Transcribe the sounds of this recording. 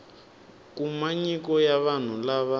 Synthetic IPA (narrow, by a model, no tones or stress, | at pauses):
k̬ʼumaɲikɔjaβan̤ulaβa